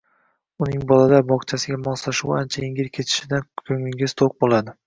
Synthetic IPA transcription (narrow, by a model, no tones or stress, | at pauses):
ʊnɪŋbɒlad̪abɒqt͡ʃʰasɪɡʲamɒslaʃuwant͡ʃʰaɪŋɡʲɪɾkʲʰe̞t̪ʰɪ̥ʃɪd̪ankʰɵŋɪŋɡʲɪzt̪ʰoq̚bolˠad̪ɪ